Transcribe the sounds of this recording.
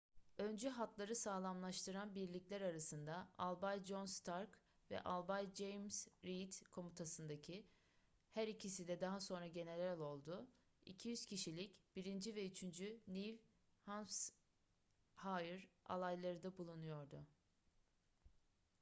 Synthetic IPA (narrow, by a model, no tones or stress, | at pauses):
ø̞nd͡ʒyɦat̪lˠaɾɯsaːlˠamlˠaʃt̪ʰɯɾanbiɾlʲiclʲæɾaɾasɯnd̪aalˠbajd͡ʒo̞nst̪ʰaɾk | vɛ̰ʔalˠbajd͡ʒejmsɾit̪kʰo̞mut̪ʰasɯnd̪acʰi | hæɾicʰisid̪ɛd̪aɦaso̞nɾaɟe̞ne̞lʲeɾælʲo̞lˠd̪ʊ | ḭcʰijyz̥cʰiʃilʲicb̥iɾind͡ʒyvɛyt͡ʃʰynd͡ʒynilʲ | hans | hajɯɾa̰lˠajlˠaɾɯd̪abulˠunujo̞ɾd̪ʊ